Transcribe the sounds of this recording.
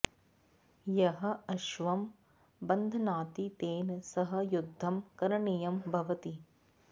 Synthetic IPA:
jɐɦɐ̆ɐʃʋɐm | bɐnd̪ʱɐnaːt̪it̪eːnsɐɦɐjud̪ʱːɐmkɐɾɐɳijɐmbʱɐʋɐt̪i

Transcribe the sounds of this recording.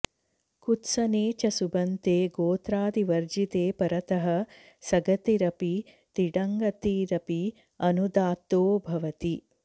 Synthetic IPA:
kut̪sɐneːt͡ʃɐsubɐnt̪eːɡoːt̪ɾaːd̪iʋɐɾd͡ʒit̪eːpɐɾɐt̪ɐɦɐ | sɐɡɐt̪iɾɐpi | t̪iɖɐŋɡɐt̪iɾɐpi | ɐnud̪aːt̪oːbʱɐʋɐt̪i

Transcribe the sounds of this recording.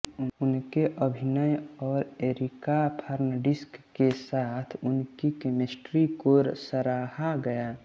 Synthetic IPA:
ʊnkeʔəbʱinəjɔːɾeɾikapʰəɾnəɖɪskːesaːt̪ʰʊnkikemesʈɾikoɾsəɾaːhaɡəja

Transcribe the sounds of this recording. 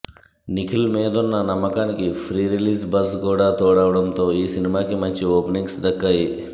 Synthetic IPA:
nikʰilmeːd̪ɔnːɐnɐmːɐkanikipʰɾiːɾiliːsbɐskoːɽat̪oːɽaːʋɐɽɐmt̪oːiːsinimaːkimɐɲt͡ʃioːpniŋsd̪ɐkːaji

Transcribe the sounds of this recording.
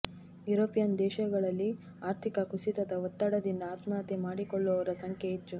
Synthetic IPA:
juɾoːpijɐnd̪ɛːʃɐɡɐɭɐlːi | aːɾt̪ʰikɐkusit̪ɐd̪ɐʋɔt̪ːɐɽɐd̪ind̪ɐːt̪naːt̪emaːɽikɔɭːɔːʋɐɾɐsɐŋkeit̪ːu

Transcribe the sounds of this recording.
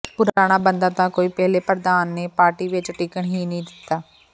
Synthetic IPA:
pʊɾaːɽ̃aːbənd̪aːt̪ãːkoːiːpɛɦleːpəɾd̪aːnːeːpaːɾʈiːʋɪt͡ʃʈiːkəɳɦiːnəĩːd̪ɪt̪ːaː

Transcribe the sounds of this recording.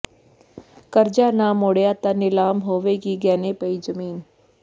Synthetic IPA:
kɐɾd͡ʒaːnamoːɽjaːt̪anɪlaːmɦoːʋekiɡɛːnepɐizɐmiːn

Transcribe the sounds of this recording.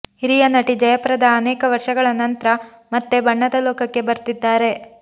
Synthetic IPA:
hiɾijɐnɐʈid͡ʒɐjɐpɐɾɐd̪ɐːnɛːkɐʋɐɾʂɐɡɐɭɐnɐnt̪ɾɐ | mɐt̪ːe̞bɐɳːɐd̪ɐlɔːkɐkːe̞bɐɾt̪id̪ːaːɾe̞

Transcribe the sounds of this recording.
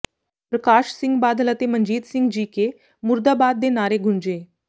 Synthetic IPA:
pɾəkaːʃsɪ̃ŋɡbaːd̪ələt̪eməɲd͡ʒiːd̪sɪ̃ŋɡd͡ʒiːke | muɾd̪aːbaːd̪ːenaːɾeɡʱund͡ʒeː

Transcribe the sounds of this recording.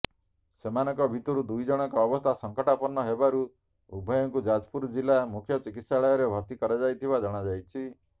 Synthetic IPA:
semanɔŋkɔbʱit̪ɔɾud̪ujd͡ʒɔɽ̃ɔŋkɔːbɔst̪ʰasɔŋkɔʈapɔɾnːɔɦebaɾu | ubʱɔjɔŋkud͡ʒad͡ʒpuɾd͡ʒilamukʰjɔt͡ʃikit̪saɭɔjɔɾebʱɔɾt̪ikɔɾad͡ʒajt̪ʰibad͡ʒɔɽ̃ad͡ʒajt͡ʃʰi

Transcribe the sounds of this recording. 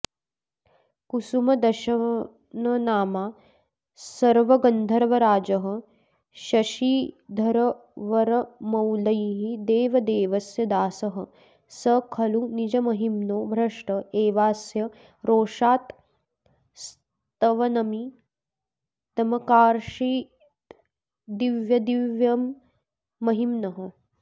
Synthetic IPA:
kusumɐd̪ɐʃɐ | nɐnaːmaː | sɐɾʋɐɡɐnd̪ʱɐɾʋɐɾaːd͡ʒɐɦɐ̆ | ʃɐʃiːd̪ʱɐɾɐ | ʋɐɾɐmɐwlɐjɦid̪eːʋɐd̪eːʋɐsjɐd̪aːsɐɦɐ̆ | sɐkʰɐlunid͡ʒɐmɐɦimnoːbʱɾɐʂʈɐeːʋaːsjɐ | ɾoːʂaːt̪ | s | t̪ɐʋɐnɐmi | t̪ɐmɐkaːɾʃiː | d̪iʋjɐd̪iʋjɐmː | ɐɦimnɐɦɐ

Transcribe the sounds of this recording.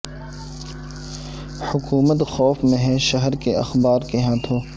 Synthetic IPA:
hʊkuːmət̪xɔːfmẽɦɛ̃ʃɐɦɾkeɐxbaːɾkeɦãːt̪ʰoː

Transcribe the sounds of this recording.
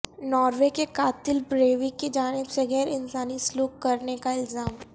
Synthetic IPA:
nɔːɾwekekaːt̪ɪlbɾeːʋikid͡ʒaːnɪbseɣɛːɾɪnsaːnisluːkːɐɾnekaɪlzaːm

